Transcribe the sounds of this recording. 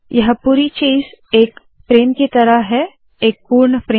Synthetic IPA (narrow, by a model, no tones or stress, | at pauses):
jɐɦpuːɾit͡ʃiːzeːk | pɾeːmkit̪ɐɾəɦɦɛ | eːk̚puːɾɳpɾeː